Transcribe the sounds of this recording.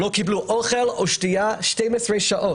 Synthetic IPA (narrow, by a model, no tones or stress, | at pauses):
lokibluʔoχeloʃtiaʃtejmasʁejʃaʔo